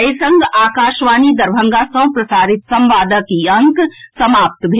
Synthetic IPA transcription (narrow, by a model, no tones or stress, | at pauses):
jsɐ̃ŋɡaːkaːʃʋaːnid̪ɐɾbʱɐ̃ŋɡasɐ̃pɾɐsaːɾɪt̪sɐ̃mʋaːd̪əkiɐ̃ŋksɐmaːp̚t̪bʱe